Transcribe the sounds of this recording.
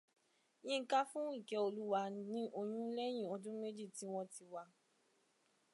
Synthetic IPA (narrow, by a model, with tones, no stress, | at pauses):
j̃ĩ˦˧ŋ̩˦ka˦fũ˦ĩ˦˨kɛ˨o˧lu˦wa˧nĩ˦ʔo˧j̃ũ˦lɛ˦j̃ĩ˦˨ɔ˧dũ˦me˦d͡ʒi˦˨ti˨˦w̃ɔ̃˧ti˧wa˧